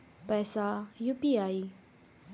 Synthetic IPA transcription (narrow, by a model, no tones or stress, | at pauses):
pɛsajupiaːi